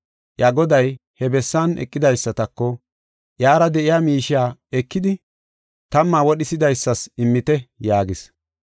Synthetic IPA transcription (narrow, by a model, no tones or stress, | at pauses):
ʔjaɡɔd̪ɐj | hɛbɛsːanɛ̰kʼːɪd̪ɐjsːɐt̪ɐkːɔ | ʔjaːɾɐd̪ɛʔɪjaːmiːʃɪjaːɛkːɪd̪ɪ | t̪ɐmːaːwɔɗɪsɪd̪ɐjsːɐsɪmːɪt̪ɛjaːɡɪs